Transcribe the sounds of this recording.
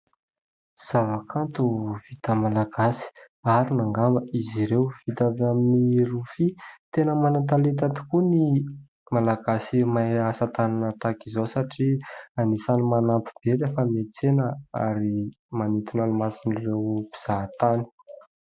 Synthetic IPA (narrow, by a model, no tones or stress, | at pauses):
z̥avakʰant̪uv̥it̪əmalaɡasi̥ | aɾinaŋɡambəiziɾewv̥it̪avaminiɾufit̪enəmanat̪alet̪at̪i̥kuni | malaɡasimaasat̪ananət̪akizowsaʈ͡ʂianisanimanampib̥elefəmet͡senəa̰ɾi | manit̪inalumasinirewbiz̥at̪ani̥